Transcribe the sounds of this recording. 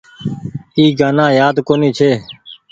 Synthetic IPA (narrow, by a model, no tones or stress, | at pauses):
iːɡaːnãːjaːd̪koːniːt͡ʃʰeː